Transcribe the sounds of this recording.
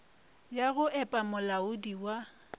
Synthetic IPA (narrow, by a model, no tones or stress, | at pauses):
jaɣʊʔɛpʼamʊlaʊdiwa